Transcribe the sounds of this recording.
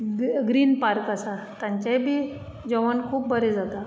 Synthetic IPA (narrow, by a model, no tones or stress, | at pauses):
ɡɾiːnpaɾkasat̪ãɲt͡ɕajbʱiː | d͡ʑɔʋənkʰuːpbəɾed͡zat̪a